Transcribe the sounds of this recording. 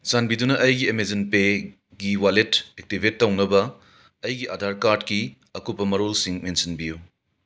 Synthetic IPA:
t͡ʃanbidunɐʔɐjɡiemezenpe | ɡiwaletek̚tibʱetːɐwnɐbɐː | jɡiʔɐdʱaɾkaɾdki | ɐkupːɐmɐɾolsiŋmensinbiju

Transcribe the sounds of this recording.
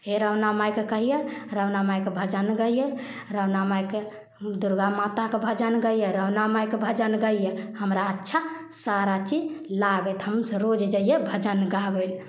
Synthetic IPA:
eɾəʊnamajkekəɦijeɾəwnamajkebʱəd͡ʒənɡəijeɾənamajke | d̪uɾɡamat̪akebʱəd͡ʒənɡəjjeɾəwnamajkebʱəd͡ʒənɡəijehəmɾaətːʃʰa | saɾat͡ʃid͡ʒlaɡɛt̪ɦəmseɾod͡ʒd͡ʒəijebʱəd͡ʒənɡabəl

